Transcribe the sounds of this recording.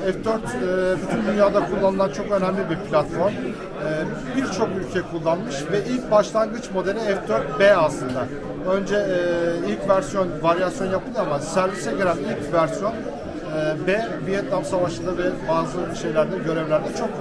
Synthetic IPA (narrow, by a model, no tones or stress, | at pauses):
ɛfd̪øɾt̪ːbyt̪ʰynd̪ynjaːd̪akʰulˠːanɯlˠant͡ʃʰo̞kø̞næmlʲibiɾpʰlʲat̪fo̞ɾm | ɛː | biɾt͡ʃʰo̞kylʲcʰɛkʰulˠːanmɯʃvɛʔilʲc̚baʃlˠanɡɯt͡ʃmo̞d̪elʲiɛfd̪øɾt̪̚beːaslˠɯnd̪a | ø̞nd͡ʒɛilʲcvæɾsjo̞nvaɾijasjo̞njapʰɯɯamasæɾvisɛɟeɾʲænilʲcvæɾsijo̞nː | bebijɛt̪lʲamsavaʃɯld̪avɛbazˠɯlˠuʃe̞jlʲæɾd̪ɛɟø̞ɾɛvlʲæɾd̪ɛt͡ʃʰo̞k